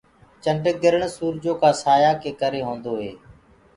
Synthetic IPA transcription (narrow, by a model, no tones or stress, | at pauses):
t͡ʃəɳɖəɡɪɾəɳsuːɾd͡ʒoːkãːsaːjaːkeːkəɾeːɦõːnd̪oːɦeː